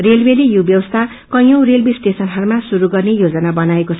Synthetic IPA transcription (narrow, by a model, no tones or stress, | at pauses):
relbelijubjʌbʌst̪ʰa | kʌj̃ʌw̃relbisʈesʌnɦʌɾumasuɾuɡʌrnejod͡zʌnabʌnaekot͡sʰʌ